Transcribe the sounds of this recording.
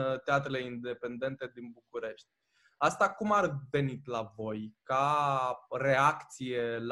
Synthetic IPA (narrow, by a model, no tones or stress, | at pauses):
t̪eat̪ɾeleind̪e̞pe̞nd̪e̞nt̪e̞d̪inbukuɾe̞ʃt̪ʲ | ast̪akumarve̞nit̪lavo̞jka | re̞akt̪sije̞l